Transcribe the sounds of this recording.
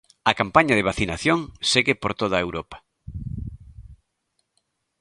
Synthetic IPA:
ɐkampaɲɐðeβ̞aθinaθjoŋseɣepoɾt̪oð̞aewɾopɐ̥

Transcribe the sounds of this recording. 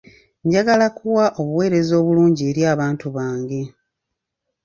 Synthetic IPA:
ɲɟaɡalakʰuwaʔo̞βuwe̞ːɾe̞zo̞ːβuluːɲɟie̞ɾjaːβaːntuβaːŋɡe̞

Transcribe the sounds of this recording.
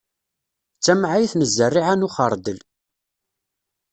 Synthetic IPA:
t͡sːæmʕajθnəzːərːiʕanuχəɾˤd̪əl

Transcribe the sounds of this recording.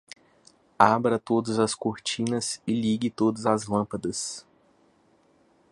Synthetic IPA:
abɾɐt̪od̪ɐzɐskoɾt͡ʃĩnɐsɪliɡɪt̪od̪ɐzɐzlɐ̃pɐd̪ɐs

